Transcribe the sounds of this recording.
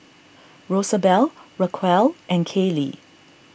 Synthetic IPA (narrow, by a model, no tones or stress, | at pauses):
ɹosəbɛlɹəkʰwɛlʔɛ̃nkʰelḭ